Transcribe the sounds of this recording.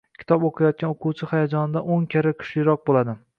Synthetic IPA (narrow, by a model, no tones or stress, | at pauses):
kʲʰɪ̥t̪ʰɒboqʰajɒt̪̚kʲanoqʰuwt͡ʃʰɪχajad͡ʒɒnɪd̪aʔoŋkʲʰaɾakʲʰʊ̥ʃɪɾɒq̚bolˠad̪ɪ